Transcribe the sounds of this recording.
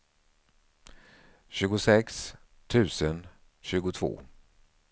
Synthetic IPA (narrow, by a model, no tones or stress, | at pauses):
ɕʉ̟ːɡʊsɛks | t̪ʰʉ̟ːsən | ɕʉ̟ːɡʊt̪ʰvo̰ː